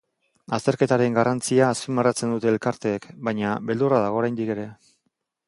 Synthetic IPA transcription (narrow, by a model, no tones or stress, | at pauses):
ast̪e̞ɾke̞t̪aɾe̞ŋɡarant͡siaːspimarat͡se̞nd̪ut̪e̞ːlkaɾt̪e̞ːkbajɲaβe̞ld̪urað̞aɣ̞o̞ːɾajnd̪ike̞ɾe̞